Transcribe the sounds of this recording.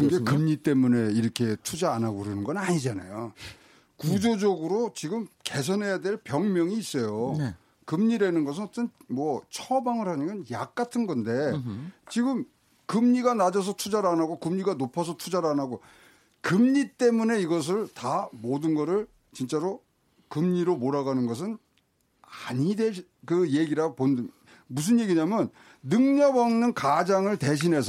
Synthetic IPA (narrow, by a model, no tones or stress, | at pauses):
kɯnɡe̞kɯmɲit͈e̞mune̞iɾʌkʰe̞tʰud͡ʑaːnaɡoɾenɯnɡʌnaɲid͡ʑana̰jo | kud͡ʑod͡ʑʌɡɯɾot͡ɕiɡɯmke̞s̬ʰʌnɦe̞jadeɭpjʌŋmjʌŋiːs͈ʌjo | kɯmɲiɾenɯnɡʌs̬ʰɯnʌt͈ʌnmwʌt͡ɕʰʌbaŋɯɭhaɲimʌnjak̚k͈atʰɯnɡʌnde̞t͡ɕiɡɯm | kɯmɲiɡanad͡ʑʌs̬ʰʌtʰud͡ʑaɾanaɡokɯmɲiɡanopʰʌsʰʌtʰud͡ʑaɾanaɡo | kɯmɲit͈e̞mune̞iɡʌs̬ʰɯɭtamodɯnɡʌɾɯɭ | t͡ɕint͡ɕ͈aɾo | kɯmɲiɾomoɾaɡanɯnɡʌs̬ʰɯn | aɲide | kɯje̞ɡiɾapondɯn | mus̬ʰɯnje̞ɡiɲamjʌnː | ɯŋɲʌbʌŋnɯnkad͡ʑaŋɯɭte̞ɕ̬ʰinɦe̞sʰʌ